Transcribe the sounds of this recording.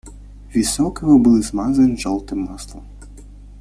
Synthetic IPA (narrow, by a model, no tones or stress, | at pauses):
ʋʲisɔkɪɦɔbulˠɪzmɑzɐnʲʒɔlˠt̪ɪmːɑslˠɔm